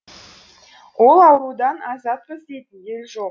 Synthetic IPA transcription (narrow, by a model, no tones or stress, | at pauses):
wʔo̞lˠɑwɾˠud̪ɑnɑzɑt̪̚qʰəzd̪e̞jt̪ɪnje̞lʒo̞q